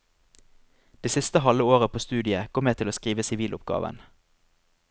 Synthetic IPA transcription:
d̪̥eːsɪst̪əhɑləoːʁəpʰoːst̪ʉːd̪ɪəkʰɔmːeːt̪ʰɪloːskʁiːʋəsɪʋiːlʊp̚ɡɑ̰ːʋə̰n

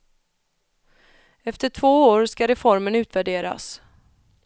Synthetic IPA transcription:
ɛft̪əʈʰvoːoːɾskaɾɛfɔɾmənʉ̟ːt̪væɖeːɾa̰s

